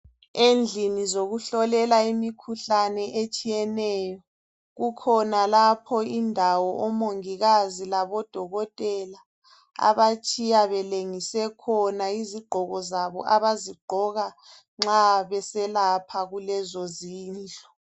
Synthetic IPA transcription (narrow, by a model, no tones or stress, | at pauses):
end͡ɮʱinizoɣuɬɔlɛlaimikʰuɬanɛʔet͡ʃʼijɛnɛjɔ | ɣukʰɔnalapʰɔindʱawɔʔɔmoŋiɣazilaβɔd̥ʱɔɣɔtʼɛla | a̰βat͡ʃʼijaβɛleŋisɛkʰɔnaiziɡ͡ǃʱɔɣɔzaβɔ̰ʔaβaziɡ͡ǃʱɔɣa | ŋ͡ǁaβɛsɛlapʰaɣulɛzɔziːnd͡ɮʱɔ